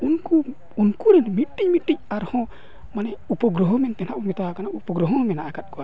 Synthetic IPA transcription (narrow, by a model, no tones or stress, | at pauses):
unku | unkuɾɛnmiʈːic̚miʈːic̚aɾhɔ̃ | manɛupɔɡɾɔɦɔmɛnt̪ɛnaʔumit̪awakanaupɔɡɾɔɦɔ̃mɛnaːkat̚kɔwa